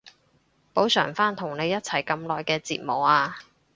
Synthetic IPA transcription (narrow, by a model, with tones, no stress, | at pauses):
po˨˥wsœː˨˩ŋfaː˥nt̪ʰʊ˨˩ŋne˨˧jɐ˥t̚t͡sʰɐ˨˩jkɐ˧mlɔː˨jkɛː˧t͡sḭː˧t̚mo˨˩aː˧